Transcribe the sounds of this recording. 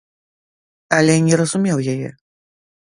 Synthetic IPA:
ɐlʲɛnʲɛɾɐzumʲɛwjajɛ̰

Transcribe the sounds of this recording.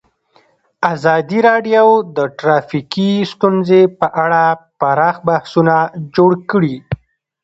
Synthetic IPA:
azɑd̪iɾɑɖjowd̪əʈɾɑfikist̪unzepəʔaɽapaɾɑxbahsunad͡ʒoɽkəɽi

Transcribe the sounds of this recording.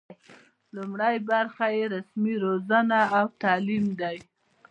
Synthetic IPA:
lumɽajbaɾxajeɾasmiɾozanaːwt̪ɑlimd̪aj

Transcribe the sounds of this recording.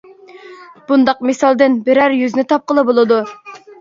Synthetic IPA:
b̥und̪ɑqmesɑlˠd̪ɨnbɪɾæɾjyznɪt̪ʰɑp̚qəlˠɨbolˠɨd̪u

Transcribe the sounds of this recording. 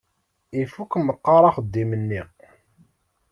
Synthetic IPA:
ifukməqːɑɾˤɑχəd̪ːimənːiʁ

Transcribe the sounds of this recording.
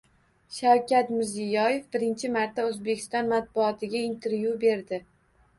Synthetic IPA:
ʃawkʲʰat̪mɪɾzijɒje̞fbɪɾɪnt͡ʃʰɪmaɾt̪ʰaɵzbe̞kʲʰɪst̪ɒnmat̪̚bʊɒt̪ʰɪɡʲaint̪ʰe̞ɾvjube̞ɾd̪ɪ

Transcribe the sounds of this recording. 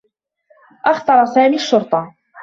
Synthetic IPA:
ʔɑxt̪ˤɑɾˤɑsaːmiːaʃːʊɾt̪ˤɑ

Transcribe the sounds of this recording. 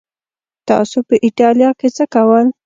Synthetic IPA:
t̪ɑ̰sopəʔiʈɑljɑket͡səkawəl

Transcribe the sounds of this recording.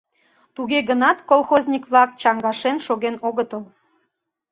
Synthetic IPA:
t̪uɣeɣənɑt̪kolˠxozʲnʲikβlɑkt͡ɕɑŋɡɑʃenʃoɣenoɣət̪əl

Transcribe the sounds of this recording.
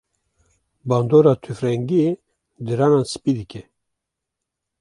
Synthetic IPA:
bɑːnd̪oːɾɑːt̪ʰyfɾɛŋɡie | d̪ɨɾɑːnɑːnsɨ̥piːd̪ɨkʲɛ

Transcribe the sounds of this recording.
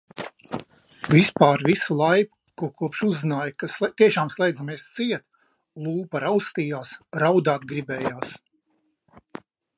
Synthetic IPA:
vʲispaːɾvisulˠajpu̥ | kuɔkuɔpʃuzːinaːjkast̪iɛʃaːmslˠɛjd̪amiɛst̪siɛt̪ | lˠuːpaɾawst̪iːjaːsɾawd̪aːt̪̚ɡɾibɛːjaːs

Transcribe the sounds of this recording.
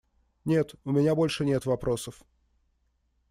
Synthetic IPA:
nʲe̞t̪ʊmʲɪnʲabo̞lʲʂɨnʲe̞t̪vɐpɾʔo̞səf

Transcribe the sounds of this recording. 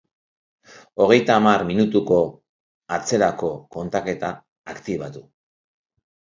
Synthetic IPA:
o̞ɣ̞e̞jt̪aːmarminut̪uko̞ | at͡se̞ɾako̞ko̞nt̪ake̞t̪aː | kt̪iβat̪u

